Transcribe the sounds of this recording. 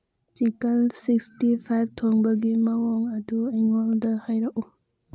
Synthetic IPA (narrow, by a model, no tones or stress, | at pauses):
t͡ʃikɐlsikstipʰajb̚tʰoŋbɐɡimɐwoŋɐdueŋoldɐhajɾɐku